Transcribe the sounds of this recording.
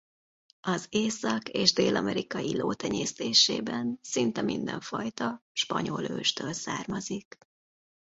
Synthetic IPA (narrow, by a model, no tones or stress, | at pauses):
ɒzeːsɒkeːʒd̪eːlɒmɛɾikɒjiloːt̪ɛɲeːst̪eːʃeːbɛnsint̪ɛmind̪ɛɱfɒjt̪ɒʃpɒɲoløːʃt̪øːlsaːrmɒzik